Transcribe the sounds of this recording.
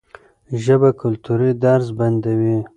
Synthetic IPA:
ʒəbakʊlt̪uɾid̪aɾzband̪awi

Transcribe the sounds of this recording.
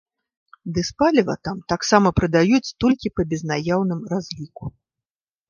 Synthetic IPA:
d̪ɨspalʲɐvɐ̰t̪amt̪aksamɐpɾɨd̪ajut͡sʲt̪ɔlʲkʲipɐbʲɛznajawnɨmrazʲlʲiku

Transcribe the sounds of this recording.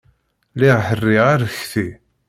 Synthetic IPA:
liʁħərːiʁaɾəçθi

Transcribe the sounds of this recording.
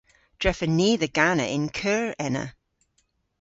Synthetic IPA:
d̥ɹɛfəniːðəɡ̥anə̰ʔɪ̃nkʰɜːɹɛnə̰

